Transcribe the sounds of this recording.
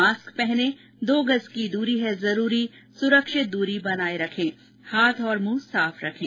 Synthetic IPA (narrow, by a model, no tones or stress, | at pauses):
aːskpɛɦnẽ | d̪oːɡəzkid̪uːɾiɦɛzɐɾuːɾi | sʊɾəkʃɪt̪̚d̪uːɾibɐnaːeɾɐkʰẽː | haːt̪ʰɔːɾmuːsaːfʰɾɐkʰẽː